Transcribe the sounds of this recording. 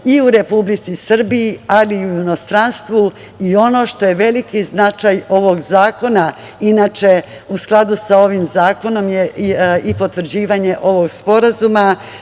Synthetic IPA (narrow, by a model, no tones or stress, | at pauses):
iuɾe̞publit̪sisr̩biialiujuno̞st̪ɾanst̪ʋu | io̞no̞ʃt̪o̞je̞ʋe̞likiznat͡ʃajo̞ʋo̞ɡzaːko̞na | inaːt͡ʃe̞ | usklˠad̪usao̞ʋimzaːko̞no̞mjeipo̞t̪ʋr̩d͡ʑiːʋaɲe̞ʔo̞ʋoɡspo̞ɾazuma